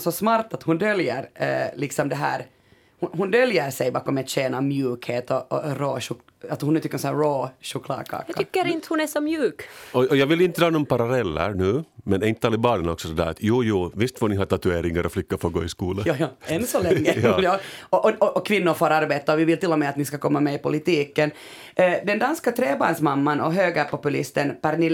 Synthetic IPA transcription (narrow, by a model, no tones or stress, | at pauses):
sɔsmɑɾt̪at̪hʊnd̪œljəɾlɪksɔmd̪ɛɦæ̰ːɾ | hʊnhʊnd̪œljəɾsɛjbɑːkɔmɛt̪ɕeːnamjʉːkheːt̪ɔʔɔ̰ɾoːʃʊk | at̪hʊnɛt̪ɪkːsɔnæːɾoːʃʊkʰlɑ̰ːkʰɑ̰ːk̪ːʏkːəɾɪnt̪əhʊnæsɔmjʉːkɔɔjɑːɡʋɪlɪnt̪əd̪ɾɑːnɔmpaɾalɛlːə̰ɾɳʉ̟ːmɛnɛɾɪnt̪əɑlɪbɑːɳənɔksɔdɛd̪æ̰ːɾa̰t̪ʰjuːjuːvɪst̪foːnɪɦɑːt̪at̪ʉeːɾɪŋaɾʔɔflʏkːafoːɡo̰ːɪskuːləjɑːjɑːɛnsɔlɛŋːəjːjɑːɔʔɔɔʔɔkʰʋɪnːʊɾfoːɾaɾbeːt̪aɔʋɪvɪlt̪ɪlːɔmɛat̪nɪskakʰɔmːamɛɪpʊlɪt̪iːkːən | d̪ɛnd̪anskat̪ʰɾeːbɑ̰ːɾɳsmamːanɔɦøːɡəpɔpʉlɪ̰st̪ənpæɾnɪ